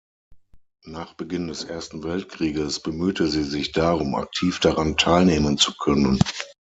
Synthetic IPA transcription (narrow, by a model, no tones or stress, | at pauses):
naːχb̥əɡɪndɛsʔeːɐstn̩vɛltkʁ̥iːɡəsb̥əmyːtəziːzɪçd̥aːʁʊma̰k̚tʰiːfd̥aʁantʰaɪlneːmənt͡su̥kʰœnən